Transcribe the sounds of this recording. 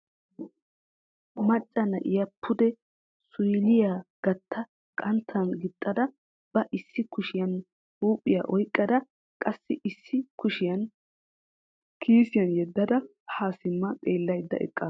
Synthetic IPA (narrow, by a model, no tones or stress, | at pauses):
mɐt͡ʃʼːɐnɐ̰ʔɪjɐpʰːʊd̪ɛ | sʊjlɪjaːɡ̥ɐt̪ʰːɐ | kʼɐnt̪ʰːɐnɡɪt̪ʼːɐd̪ɐ | b̥ɐʔɪsːɪkʊʃɪjɐn | huːpʼːɪja̰ʔɔjkʼːɐd̪ɐ | kʼɐsːɪʔɪsːɪkʊʃɪjɐn | kʰiːsɪjɐnjɛd̪ːɐd̪ɐ | haːsɪmːɐtʼeːlːɐjd̪ːɐ̰ʔɛ̰kʼːɐ